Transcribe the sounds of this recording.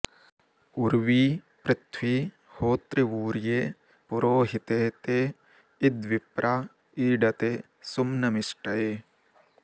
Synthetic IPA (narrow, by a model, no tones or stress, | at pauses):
uɾʋiː | pɾɪt̪ʰwiː | hoːt̪ɾiuːɾjeː | puɾoːɦit̪et̪e | ɪd̪ʋɪpɾʔa | iːɖɐt̪e | sumnɐmɪʃʈɐjeː